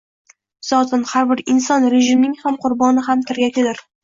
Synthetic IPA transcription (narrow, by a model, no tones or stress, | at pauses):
z̥ɒt̪ʰɪnhaɾbɪɾɪnsɒnɾeʒɪmnɪŋhamqʰʊɾbɒnɪɦamt̪ʰɪɾɡʲakʲʰɪd̪ɪɾ